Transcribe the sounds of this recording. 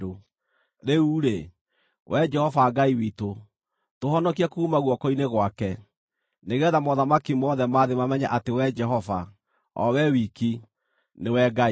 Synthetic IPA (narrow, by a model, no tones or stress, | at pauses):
o | ɾeuːɾe | wʔɛd͡ʒɛhɔvaɡaiwito | tohɔnɔkiakuumaɣwɔkɔineɣwakɛ | neɣɛðamɔðamakimɔðɛmaðemamɛɲaʔatewɛd͡ʒɛɦɔva | ɔ̰wɛwiki | newɛɡa